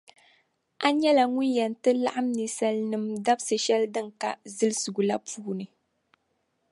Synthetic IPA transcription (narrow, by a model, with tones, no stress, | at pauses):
ʔa˦ɲɛ˦la˨ŋu˦njɛ˨n˨tɨ˦la̰˦ʔa˦mnɨ˨sa˨lnɨ˨mda˦bsɨ˨ʃɛ˦ldɨ˦ŋka̰˨zɨ˦lɨ˦su˨ɡu˨la˦puː˦nɨ˨